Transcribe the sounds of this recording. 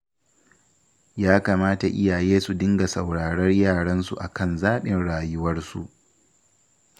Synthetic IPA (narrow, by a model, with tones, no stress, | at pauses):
jaː˦kaː˨maː˦ta˨ʔɪ˦ja˨jeː˦su˨dɪ˦ŋɡa˨sa˨wɽaː˨ɽɐ˦rjaː˦˨ɽɐ˦nsṵ˨ʔa˨kɐ˦˨nzaː˦ɓɪ˨nɽaː˨jʊ˦wɐ˦rsṵ˨ʔ